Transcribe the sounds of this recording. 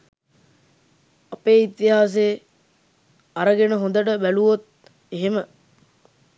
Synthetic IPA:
ɐpeːit̪iɦaːs̬eː | ɐɾəɡenəɦond̪əʈəbæluʋot̪̚ | eɦemə

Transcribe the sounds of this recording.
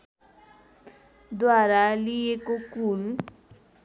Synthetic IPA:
d̪waɾaliekokul

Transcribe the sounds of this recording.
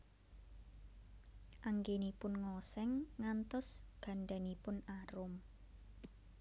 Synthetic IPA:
ʔaŋɡenipʊnŋɔsɛŋːant̪ɔsɡ̥a̤ɳɖanipʊnaɾʊm

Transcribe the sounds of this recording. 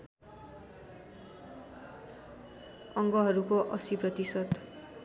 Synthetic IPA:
ʌŋɡʌɦʌɾukoʔʌsiprʌt̪isʌd̪

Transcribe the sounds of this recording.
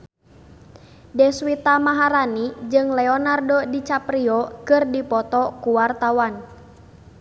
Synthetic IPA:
dɛswit̪amaɦaɾanid͡ʒɨŋlɛɔnardɔdit͡ʃapɾiɔkɨrdipɔt̪ɔkuwart̪awan

